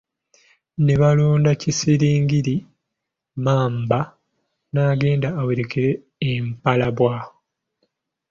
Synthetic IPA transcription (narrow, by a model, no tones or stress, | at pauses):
ne̞βaloːndacisiɾiːŋɡiɾi | maːmba | naːɡe̞ːndaːweɾekiɾeː | mpalaβwaːho